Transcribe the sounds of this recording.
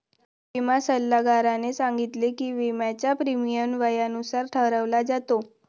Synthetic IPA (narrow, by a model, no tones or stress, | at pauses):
ʋimasəlːaɡaɾanesãŋɡit̪lekiːʋemjat͡ɕapɾimijənʋəjanusaɾʈʰəɦɾəʋlad͡zat̪o